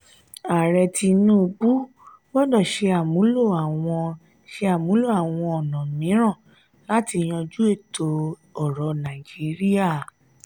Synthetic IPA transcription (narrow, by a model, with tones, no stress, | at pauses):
a˨ɾɛ˧ti˧nũ˦˧k͡pu˦ | wɔ˦dɔ˦˨ʃe˧a˨mũ˨˦lo˦˨a˨w̃ɔ̃˧ | ʃe˧a˨mũ˨˦lo˦˨a˨w̃ɔ̃˧ɔ˨nã˨mĩ˨˦ɾ̃ã˦˨ | la˦ti˧j̃ɔ̃˧d͡ʒu˦e˦˨to˧ | ɔ˦˨ɾɔ˨˦nã˨i˨d͡ʒi˨˦ɾi˦a˦˨